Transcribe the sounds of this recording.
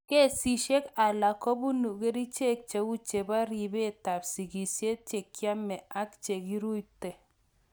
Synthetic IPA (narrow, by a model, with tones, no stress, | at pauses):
ke˦˨si˨ʃe˦ka˨la˨kɔ˦bu˦nu˨ke˦ɾi˦t͡ʃe˦k̚t͡ʃe˨u˦t͡ʃe˨ba˦ɾi˨be˦˨ta˨psi˨ki˨sje˦t̚t͡ʃe˨kja˦mɛ˨a˦kt͡ʃe˨ki˦ɾu˦jtɛ˨